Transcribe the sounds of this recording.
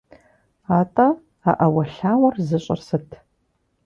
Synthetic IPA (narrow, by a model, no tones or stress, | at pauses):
aːtʼɐ | a̰ʔɐwɐɬaːwɐrzɨɕʼɐ̰rsɨtʰ